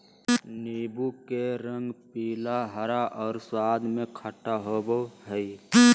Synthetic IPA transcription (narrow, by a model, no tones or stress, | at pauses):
niːbukeɾə̃ŋɡpiːlaɦəɾaʔɔːɾswaːd̪mẽkʰəʈaɦoboɦəi